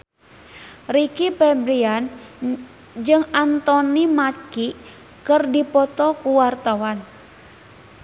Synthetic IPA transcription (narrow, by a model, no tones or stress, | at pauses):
rikipɛbɾian | d͡ʒɨŋant̪ɔnimaki | kɨrdipɔt̪ɔkuwart̪awan